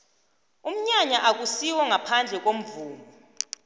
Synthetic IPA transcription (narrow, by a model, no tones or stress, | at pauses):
um̩ɲaɲaʔak̬usiwɔŋapʰand͡ɮʱɛk̬om̩vuːmu